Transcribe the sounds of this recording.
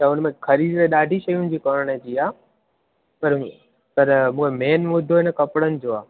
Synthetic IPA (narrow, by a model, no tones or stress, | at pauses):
tɐʊnmẽkʰɐɾiːd͡ʒɾeɗaːɖʱiʃɐjʊnɪ̆d͡ʑiːkɔːɾəɽ̃əd͡ʑiːaː | pɐɾ | pɐɾmũːkʰemeːnʋʊd̪ʱoɦɪnəkɐpɽənɪ̆d͡ʑoːaː